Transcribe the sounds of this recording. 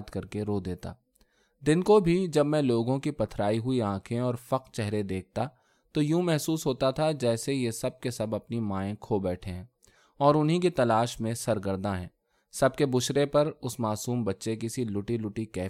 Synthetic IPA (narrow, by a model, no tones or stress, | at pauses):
t̪kɐɾkeɾoːd̪eːt̪a̰ː | d̪ɪnkobʱid͡ʒɐbmɛ̃loːɡõkipɐt̪ʰɾaːiɦʊiãːkʰẽɔːɾfɐqt͡ʃɛɦɾed̪eːk̚t̪a | t̪ojũmɛɦsuːsɦoːt̪at̪ʰad͡ʒɛːsejesɐb̚kesɐbɐpnimaːẽkʰoːbɛːʈʰeɦɛ̃ː | ɔːɾʊnɦĩkit̪ɐlaːʃmẽsɐɾɡəɾd̪ãɦɛ̰̃ː | sɐb̚kebʊʃɾepɐɾʊsmaːsuːmbɐtːʃekɪsilʊʈilʊʈikɛː